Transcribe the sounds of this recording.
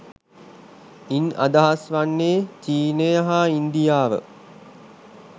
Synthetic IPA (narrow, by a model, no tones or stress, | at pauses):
ina̰d̪aɦasʋanːeːt͡ʃiːnəjaɦaind̪ijaːʋə̰